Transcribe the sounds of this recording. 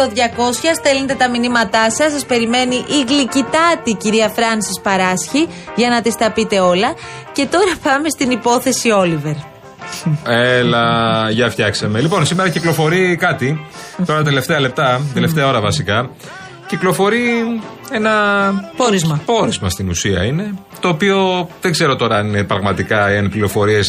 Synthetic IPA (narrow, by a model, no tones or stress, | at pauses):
t̪oðʝɐko̞sçɐsθe̞lent̪et̪ɐminimɐt̪ɐsɐsɐspe̞ɾime̞niʔiɣlicit̪ɐt̪iciɾiɐfɾɐnsɐspɐɾɐsçiʝɐnɐt̪ist̪ɐpit̪e̞o̞lɐce̞t̪o̞ɾɐpɐme̞st̪inipo̞θe̞sio̞live̞ɾ | elɐʝɐfçɐksɐme̞lipo̞nsimeɾɐciklo̞fo̞ɾikɐt̪i | oɾɐt̪ɐt̪ele̞ft̪e̞ɐle̞p̚t̪ɐd̪eleft̪eɐo̞ɾɐvɐsikɐ | ciklo̞fo̞ɾie̞nɐpoɾizmɐpo̞ɾizmɐst̪inusiɐ̰ine | t̪o̞ːpio̞ðeɡze̞ɾo̞t̪o̞ɾɐnine̞pɾɐɣmɐt̪ikɐiɐnpliɾo̞fo̞ɾie̞s